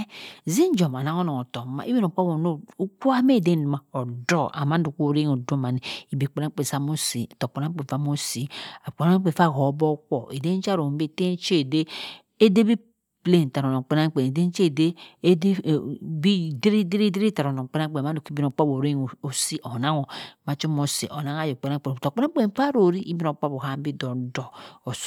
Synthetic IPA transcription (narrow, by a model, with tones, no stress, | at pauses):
zi˦n˦d͡ʒo˨ma˨na˨˦ŋo˦no˨o˨to˨˦ma̰˨ʔi˦bi˦no˨k͡pa˦bo˨no˦ku˦a˦me˦˨de˦n˦˨ma˨o˨do˦a̰˨ma˦n˦du˨ko˦˨ɾe˦ŋ˨o˨do˦ma˨ni˨i˨bi˨k͡pe˨a˦k͡pe˨sa˦mo˦si˨to˨k͡po˨na˦k͡pe˨fa˦mo˦si˨k͡po˨na˦k͡pe˨fa˦˨ho˨˦bɔ˦kʷo˨e˨de˦n˦t͡ʃa˦ɾo˨m˦be˦˨te˦t͡ʃe˦˨de˦ | e˦de˦bi˦ | ple˦˨n˨ta˨ɾo˨no˨k͡pe˦na˦ŋ˦k͡pe˨ne˨de˦t͡ʃe˦˨de˦dbi˦de˦ɾi˦de˦ɾi˦de˦ɾi˦ta˨ɾo˨no˨k͡pe˦na˦k͡pe˨a˦no˨ki˦bi˦no˨˦k͡pa˦bo˨ɾe˦˨o˨si˦ʔo˨na˦ŋo˨ma˨˦t͡ʃo˦mo˨sḭ˨ʔo˨na˦ŋa˦jo˨k͡pe˨na˦k͡pe˨to˨k͡pe˦na˦k͡pe˦˨˦fa˦ɾo˨ɾi˦ʔi˦bi˦no˨k͡pa˦bo˨ha˦m˦bi˦do˨dɔ˨o˨s